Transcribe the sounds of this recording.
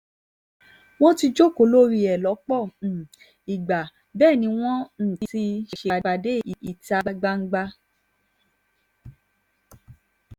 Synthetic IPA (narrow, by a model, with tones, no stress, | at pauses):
w̃ɔ̃˦ti˧d͡ʒo˦˨ko˧˨lo˦ɾi˧ɛ˨lɔ˨˦k͡pɔ˦˨ | i˨ɡ͡ba˨ | bɛː˦˨nĩ˧˦w̃ɔ̃˦n̩˦˨ti˧si˧ʃʃe˨˧a˧de˦i˨i˨ta˧a˧ɡ͡ba˧ŋ̩˦ɡ͡ba˧